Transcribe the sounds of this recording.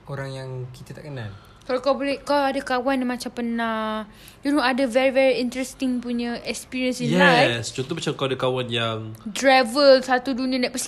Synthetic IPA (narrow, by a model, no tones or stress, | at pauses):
oɾaŋjaŋkit̪ət̪aʔkənal | kalawkawbolekawadakawanamat͡ʃampəna | junoadavɛɹivɛɹiint̪ɾɛst̪iŋpuɲəɛkspiɹiə̃nsinjɛst͡ʃɔnt̪̬ɔbat͡ʃamkawadakawanjaŋdɾavəlsat̪udunĩə̃dapəs